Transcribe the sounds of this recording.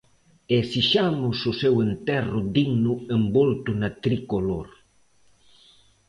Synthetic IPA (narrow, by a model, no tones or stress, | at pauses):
esiʃamʊsʊsɛwent̪ɛrʊd̪iɡnʊembolt̪ʊnat̪ɾikoloɾ